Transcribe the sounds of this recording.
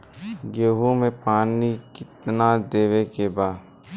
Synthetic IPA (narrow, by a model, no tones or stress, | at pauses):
ɡeːɦumẽpaːnikɪt̪nad̪eːʋekebaː